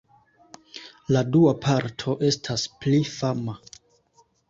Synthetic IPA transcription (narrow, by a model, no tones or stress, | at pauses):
laduapʰaɾtʰo̞ʔe̞stʰasplifama